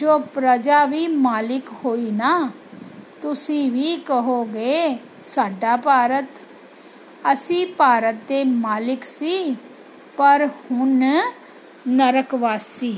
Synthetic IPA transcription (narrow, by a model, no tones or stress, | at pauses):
d͡ʒoːpɾəd͡ʒaːʋiːmaːlɪkhoːiːnaː | t̪ʊsĩːʋiːkəɦoːɡeː | saːɖaːpaːɾət̪ | əsĩːpaːɾət̪̚d̪eːmaːlɪksiː | pəɾhʊn | nəɾəkʋaːsiː